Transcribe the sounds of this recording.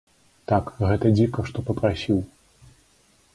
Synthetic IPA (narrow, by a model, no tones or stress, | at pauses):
t̪akɣɛt̪ɐd͡zʲikɐʂt̪ɔpɐpɾasʲiw